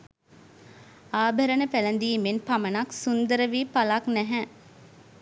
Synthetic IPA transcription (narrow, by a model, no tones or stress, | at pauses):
aːbʱəɾənəpælənd̪iːmenpamənaksund̪əɾəʋiːpalaknɛɦɛ̃